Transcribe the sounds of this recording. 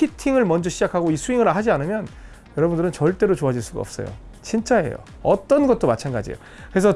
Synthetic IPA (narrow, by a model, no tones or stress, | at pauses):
itʰiŋɯɭmʌnd͡ʑʌɕʰid͡ʑakʰaɡoisʰuiŋɯɾaɦad͡ʑianɯmjʌn | jʌɾʌbundɯɾɯnt͡ɕʌɭt͈e̞ɾot͡ɕoad͡ʑiɭs͈uɡa̰ʌp̚s͈ʌ̰jo̰ | t͡ɕint͡ɕ͈aḛjo̰ | ʌt͈ʌnɡʌt̚t͈omat͡ɕʰanɡad͡ʑḭjo̰ | kɯɾe̞s̬ʰʌ